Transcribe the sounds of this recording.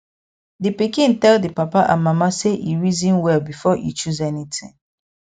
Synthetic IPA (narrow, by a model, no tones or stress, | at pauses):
dipikĩntɛldipapaʔã̰mamaseʔiɹizĩnwɛlbifɔʔḭt͡ʃuzɛnitḭ̃ŋ